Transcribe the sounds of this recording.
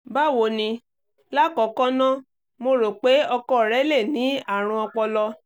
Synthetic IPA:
ba˦˨wo˧˨nĩ˧ | la˦˨kɔ˨˦kɔ̃˦nɔ̃˦ | mo˧ɾo˨k͡pe˨˦ɔ˧kɔ˦˨ɾɛ˨˦le˦˨nĩ˨˦a˦˨ɾ̃ũ˧ɔ˧k͡pɔ˧lɔ˧

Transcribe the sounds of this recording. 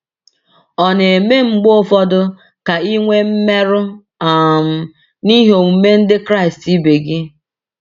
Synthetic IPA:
ɔ˨ne˨e˨me˦ŋ͡m̩˦ɡ͡bo˦fɔ˦dʊ˦ | ka˨i˦ŋʷe˦m̩˦me˦ɾʊ˦ | a˨m̩˨ | ni˦ɦo˨u˨me˦n̩˦dɪ˦kɾa˦ɪ˨sti˦be˨ɡɪ˦

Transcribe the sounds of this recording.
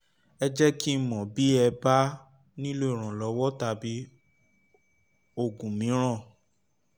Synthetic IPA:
ɛ˧d͡ʒɛ˦ki˦˨mɔ̃˨bi˨˦ɛ˧ba˦ | nĩ˦lo˦i˨ɾ̃ã˨lɔ˨˦wɔ˦ta˧bi˨˦ | o˧˨ɡũ˨mĩ˨˦ɾ̃ã˦˨

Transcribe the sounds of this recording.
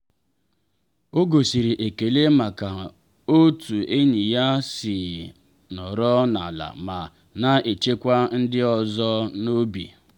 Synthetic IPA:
o˦ɡo˨si˨ɾi˨ʔe˨ke˨le˦ma˨ka˨ | o˦tu˨e˦ɲi˨ja˦si˨ | nɔ˨ɾɔ˦na̰˨la̰˨ma˨ | na˦e˨t͡ʃe˦kʷa˦n̩˦dɪ˦ɔ˨zɔ˦no˦bḭ˨

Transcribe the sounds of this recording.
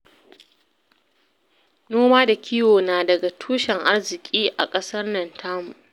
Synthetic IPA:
noː˦maː˦da˨kʲiː˦woː˨naː˨dɐ˨ɡa˨tʰuː˦ʃɛ˨ŋʔa˦rzɪ˨kʲʼiː˦ʔa̰˨kʼɐ˦sɐ˦rnɐ˨ntʰaː˦mu˨

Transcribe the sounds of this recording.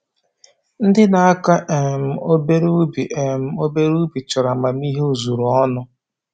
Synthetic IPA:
n̩˦dɪ˦na˨a˦ka˦ʔe˨m̩˨o˦be˦ɾu˦bi˨e˨m̩˨o˦be˦ɾu˦bi˨t͡ʃʊ˨ɾa˨ma˨m˦i˦ɦe˦u˨zu˨ɾɔ˦nʊ˦

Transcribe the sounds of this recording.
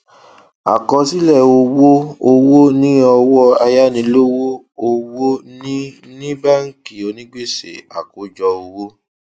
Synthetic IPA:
a̰˨kɔ˧si˦lɛ˦˨o˧wo˦o˧wo˦nĩ˦ɔ˧wɔ˦a˧ja˦nĩ˧lo˦wo˦ | o˧wo˦nĩ˦nĩ˦ba˦˨ŋ̩˨ki˨o˨nĩ˦ɡ͡be˦˨sḛ˨a̰˨ko˨˦d͡ʒɔ˧o˧wo˦

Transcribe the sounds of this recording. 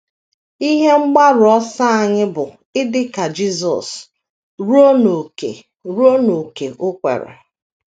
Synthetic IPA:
i˦ɦe˦ŋ͡m̩˦ɡ͡ba˦ɾʊ˨ɔ˦sa˦a˨ɲɪ˦bʊ˨ | ɪ˦dɪ˦ka˨d͡ʒi˦zɔ̰˨s | ɾo˦no˨kḛ˨ | ɾo˦no˨ke˨ʔʊ˦kʷḛ˨ɾḛ˨

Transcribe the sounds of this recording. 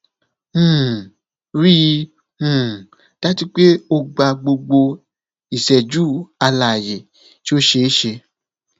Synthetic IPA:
ɾĩ˦˧˦ | ta˨˦ti˧˦k͡pe˦o˧ɡ͡ba˧˨ɡ͡bo˧ɡ͡bo˧ | i˨sɛ˨d͡ʒuː˦˨a˧la˨je˨ | ti˦o˦ʃe˧˦ʃe˧

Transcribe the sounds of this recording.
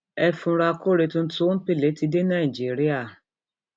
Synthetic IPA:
ɛ˧fũ˧ɾa˧ko˦ɾe˧tũ˧n̩˦to˦n̩˦pe˦˨le˨˦ti˧de˦nã˦˨i˨d͡ʒi˨˦˨ɾi˦a˦˨

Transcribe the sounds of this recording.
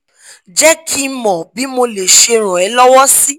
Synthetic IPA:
d͡ʒɛ˦kʰi˦mɔ̃˨bi˨˦mo˧le˨ʃe˧ɾ̃ũ˨ɛ˨˦lɔ˦wɔ˦si˦

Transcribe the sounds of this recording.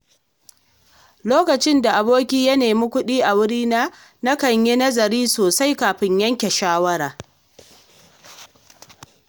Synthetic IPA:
loː˦kɐ˨t͡ʃɪ˦nda˨ʔa˨boː˦kʲiː˦jɐ˦neː˨miː˦kʷʊ˦ɗiː˦ʔa˨wʊ˦ɽiː˦naː˦ | na˦kɐ˨ɲje˦nɐ˦zɐ˨ɾiː˦soː˨sa˦jkaː˨ɸɪ˦ɲjɐ˦ŋkʲe˨ʃaː˦wɐ˦ɾaː˨

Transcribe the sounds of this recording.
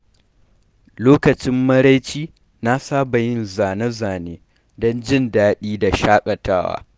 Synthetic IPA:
loː˦kɐ˨t͡ʃɪ˦mːɐ˦ɽa˦jt͡ʃiː˦ | na˦saː˦ba˨jɪ˦nzaː˨nɐ˦zaː˨neː˦ | dɔ˦nd͡ʒɪ˦˨ndaː˦ɗiː˦da˨ʃaː˦kʼɐ˨taː˦wa̰ː˦

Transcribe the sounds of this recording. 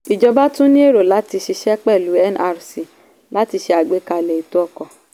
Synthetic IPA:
i˨d͡ʒɔ˧ba˦tũ˦nĩ˦e˦˨ɾo˨la˨˦ti˧ʃi˧ʃɛ˦k͡pɛ˦˨lu˨˦ɛ˦˨nʔa˧ɾsi˨ | la˨˦ti˧ʃe˧a˨ɡ͡be˨˦ka˧lɛ˨i˨tu˦ɔ˧kɔ˨

